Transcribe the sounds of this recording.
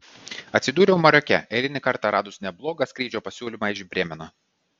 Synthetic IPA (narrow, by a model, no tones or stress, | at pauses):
ɐt̪ʲsʲɪd̪uːɾʲɛʊmɐɾʲɔkʲɛ̰ɛlʲɪnʲɪkɐɾt̪ɑːɾɑːd̪ʊsnʲɛblˠoːɡɑsʲkɾʲiːd͡ʒʲoːpɐsʲuːlʲimɑːɪʒʲbʲɾʲeːmʲɛnoː